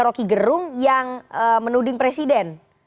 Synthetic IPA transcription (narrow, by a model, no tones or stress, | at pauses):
ɾokiɡəɾʊŋjaŋəmənudɪŋpɾesidɛn